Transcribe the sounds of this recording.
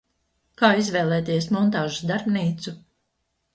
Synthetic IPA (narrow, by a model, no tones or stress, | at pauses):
kaːizvɛːlˠɛːt̪iɛsmɔnt̪aːʒusd̪aɾbniːt̪su